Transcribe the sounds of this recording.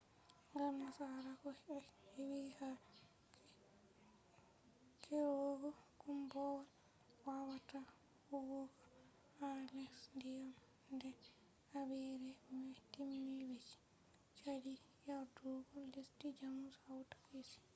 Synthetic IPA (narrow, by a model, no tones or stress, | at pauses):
ŋɡalmasaɾakɔhhewiha | kʰɛɾɔɡɔkumbɔːɾ | wawata | wuɡoɡɔ | alɛksndijam | ndɛ | abiɾɛmɛtimːibet͡ʃi̥ | t͡ʃadi | jaduɡɔlistid͡ʒamːusawtḁfisi̥